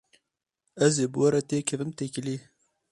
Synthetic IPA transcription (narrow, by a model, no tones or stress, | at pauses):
æzeːbɨwɐɾɐt̪eːkʰɛvɨmt̪ekɪliː